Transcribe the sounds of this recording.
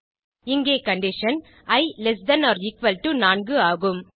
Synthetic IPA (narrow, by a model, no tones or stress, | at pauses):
ɪŋɡeːkɐɳɖɪʃɐn | ɐɪlɛsdɐnɔːɾɪkʋɐlʈunaːnɡɯaːɣɯm